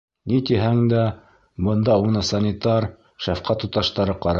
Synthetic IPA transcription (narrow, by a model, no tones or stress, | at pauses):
nit̪iɦæŋd̪æ | bɤ̆nd̪ɑunɑsɑnʲit̪ɑɾ | ʃæfqɑt̪ut̪ɑʃt̪ɑɾɤqɑɾɑ